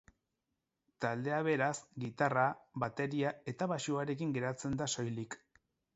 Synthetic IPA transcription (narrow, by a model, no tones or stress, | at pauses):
t̪ald̪e̞aβe̞ɾasɡit̪araβat̪e̞ɾiae̞t̪aβaʃuaɾe̞kiŋɡe̞ɾat͡se̞nd̪aso̞jlik